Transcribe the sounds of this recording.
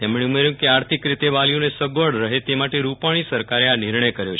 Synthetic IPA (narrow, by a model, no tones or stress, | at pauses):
t̪emɳeumeɾjũkeaɾt̪ʰikɾit̪eʋalijonesəɡʋəɽɾəɦet̪emaʈeɾupaɽ̃isəɾkaɾeaniɾɳəjkəɾjot͡ʃʰ